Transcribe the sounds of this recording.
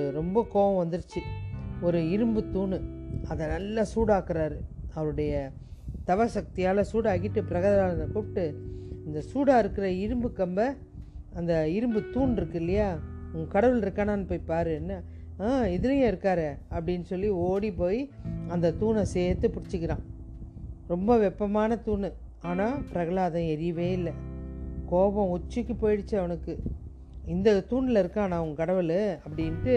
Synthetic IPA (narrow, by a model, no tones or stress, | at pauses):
ɯɾɔmbɐkoːʋɐ̃ʋɐnd̪ɯɾɯt͡ʃːɯɔɾɯɪɾɯmbɯt̪uːnɯɐðɐnɐlːɐsuːɽaːkɯɾaːɾɯɐʋɐɾɯɽɐjɐ | t̪ɐʋɐsɐk̚t̪ɪjaːlɐsuːɽaːkːɪʈːɯpɪɾɐɣɐðɐlaːlɐnɐpoːʈːɯɐnd̪ɐsuːɽaːɪɾɯkːɯɾɐɪɾɯmbɯkːɐmbɐ | ɐnd̪ɐɪɾɯmbɯt̪uːnɪɾɯkːɯɾɪlɪjaːʊŋɡɐkɐɽɐʋɯlɪɾɯkːaːnaːnːɯpoːjipaːɾɯɛnːa | aːɪðɪɾɐjɐ̃ɪɾɯkːaːɾɛɐpːɐɽɪnːɯsɔlːioːɽipoːjiɐnd̪ɐt̪uːnɐseːt̪ːɯpʊɽɪt͡ʃːɯkːɪɾãː | ɾɔmbɐʋɛpːɐmaːnɐt̪uːnɯ | aːnaːpɪɾɐɣɐɭaːðãɛɾɪjɐʋeːɪlːɐkoːʋɐ̃ɔt͡ʃːɯkːɯpoːjɪɽɪt͡ʃːɯɐʋɐnɯkːɯ | ɪnd̪ɐt̪uːnlɐɪɾɯkːãːnãːʊŋɡɐkɐɽɐʋɯɭɐpːɐɽɪnʈɯ